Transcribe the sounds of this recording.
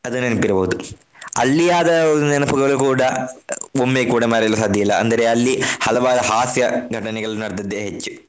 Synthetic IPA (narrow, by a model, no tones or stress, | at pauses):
ɐd̪unːɐnipːiɾɐboɦud̪u | ɐ̰lːijaːd̪ɐnɐnɐpɐɡɐɭukuːɽɐ | omːeːkuːɽɐmaːɾiɐlːusaːd̪ʱjɐjilːɐɐ̰nd̪ɐɾeɐlːihɐlɐʋaːd̪ɐɦaːsjɐɡʱɐʈɐnɛɡɐɭnɐɽɐd̪ɐd̪ːeːɦet͡ʃːu̥